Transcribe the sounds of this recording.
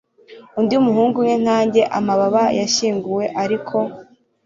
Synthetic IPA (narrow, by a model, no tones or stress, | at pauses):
undiumuɦuːŋɡumŋen̥aːɲɟe̞ʔamaβaβajaʃiːŋɡuwe̞ʔaɾikʰo̞